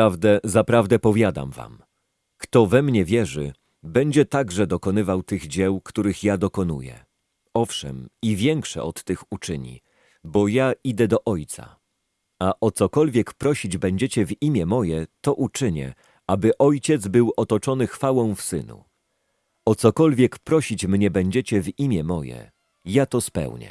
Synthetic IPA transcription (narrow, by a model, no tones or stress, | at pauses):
avd̪ɛzapɾavd̪ɛpɔvʲjad̪a̰mva̰m | kt̪ɔvɛmɲɛvʲjɛʐɘ | bɛɲd͡ʑɛt̪aɡʐɛd̪ɔkɔnɘvawt̪ɘɣd͡ʑɛwkt̪uɾɘxjad̪ɔkɔn̪ṵjɛ̰ | ɔfʂɛ̰mivʲjɛŋkʂɛ̰ɔt̪ːɘxut͡ʂɘɲḭ | bɔjaid̪ɛd̪ɔʔɔjt̪sa̰ | aʔɔt̪sɔkɔlvʲjɛkpɾɔɕid͡ʑbɛɲd͡ʑɛt͡ɕɛvimʲjɛmɔjɛt̪ɔʔut͡ʂɘɲɛ̰ | abɘʔɔjt͡ɕɛd̪zbɘwɔt̪ɔt͡ʂɔnɘxfawɔ̃w̃fsɘ̰nṵ | ɔt̪sɔkɔlvʲjɛkpɾɔɕit͡ɕmɲɛbɛɲd͡ʑɛt͡ɕɛvimʲjɛmɔjɛ̰ | jat̪ɔspɛ̰wɲɛ̰